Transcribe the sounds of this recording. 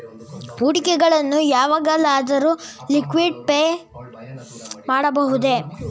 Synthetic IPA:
uːʈikɛɡɐɭɐnːujaːʋaːɡɐlaːd̪ɐɾuːlikʋiɖpej | maːɽɐbɐɦud̪e̞

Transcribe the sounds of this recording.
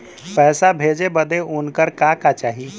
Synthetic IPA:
pɛːsabʱed͡ʒebəd̪eʔunkəɾkakat͡ʃaːɦi

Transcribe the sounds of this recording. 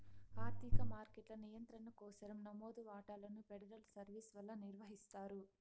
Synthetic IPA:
aːɾd̪ʱikɐmaːɾkeʈlɐnijɐnt̪ɾɐnɐkɔːsɐɾɐmnɐmoːd̪uʋaːʈaːlɐnupeɽɐɾɐlsɐɾʋiːsʋɐlːɐniɾʋɐɦist̪aːɾu

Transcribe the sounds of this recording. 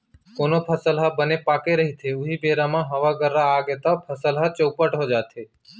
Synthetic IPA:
koːnopʰəsəlɦəbənepaːkeɾəɦit̪ʰeʊɦibeːɾãmãɦəʋaɡəɾːaːɡet̪apʰəsəlɦat͡ʃəpəʈɦod͡ʒaːt̪ʰeː

